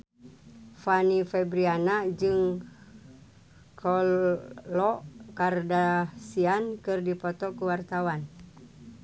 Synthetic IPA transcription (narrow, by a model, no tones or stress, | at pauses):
fanifɛbɾianad͡ʒɨŋ | kʰɔ | lɔʔkardasiankɨrdipɔt̪ɔkuwart̪awan